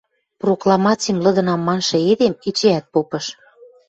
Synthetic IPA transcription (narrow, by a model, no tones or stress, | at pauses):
proklˠɑmɑt͡sʲimlɤ̆d̪ɤ̆nɑmːɑnʃɤ̆ed̪emit͡ɕeæt̪̚popɤ̆ʃ